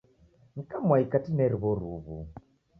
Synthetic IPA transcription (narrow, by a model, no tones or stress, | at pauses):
ŋ̩kamwaikatinɛɾiβɔɾuβu